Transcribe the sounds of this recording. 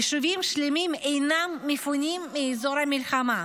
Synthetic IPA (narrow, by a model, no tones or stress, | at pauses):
ʃuvimʃlemimejnamːefunimːiːzoɾamilχama